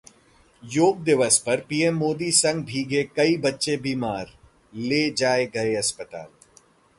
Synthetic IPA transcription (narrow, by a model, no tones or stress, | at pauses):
joːɡ̚d̪ɪʋəspɐɾpiːɛmːoːd̪isɐ̃ŋɡ̚bʱiːɡekɐibɐtːʃebiːmaːɾ | leːd͡ʒaːeɡɐeɐspət̪a̰ːl